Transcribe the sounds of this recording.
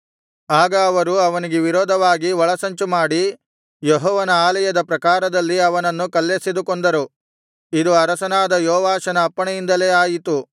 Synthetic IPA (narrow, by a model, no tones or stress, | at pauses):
aːɡɐːʋɐɾuɐʋɐniɡeʋiɾɔːd̪ʱɐʋaːɡiʋɐɭɐsɐɲt͡ʃumaːɽi | jeɦɔːʋɐnɐaːlɐjɐd̪ɐpɾɐkaːɾɐd̪ɐlːiɐʋɐnɐnːukɐlːesid̪ukond̪ɐɾu | id̪uɐɾɐsɐnaːd̪ɐjɔːʋaːʃɐnɐːpːɐɳɐjind̪ɐle̞ːaːjit̪u